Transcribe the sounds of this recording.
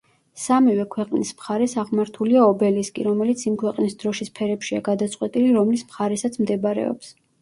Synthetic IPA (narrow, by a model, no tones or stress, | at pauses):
samivɛkʰwɛqʼnismχaɾɛsaʁmaɾt̪ʰuliaɔbɛliskʼḭɾɔmɛlit̪sʰimkʰwɛqʼnisd̪ɾɔʃispʰɛɾɛpʃia̰ɡad̪at̪sʼqʼwɛt̪ʼiliɾɔmlismχaɾɛsat̪sʰmd̪ɛbɾɛ̰ɔ̰ps